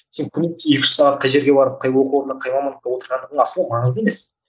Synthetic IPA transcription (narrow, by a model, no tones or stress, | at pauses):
se̞ŋkʲʰʏnest̪ɪekʲɪ̥ʃɪsɑʁɑt̪̚qʰɑjʒe̞ɾɡʲe̞bɑɾəp̚qʰɑjwoquoɾənəqʰɑjmɑmɑnəq̚t̪ɑwo̞t̪əɾʁɑnd̪əʁd̪əɴɑsəlɑmɑɴəzd̪əeme̞s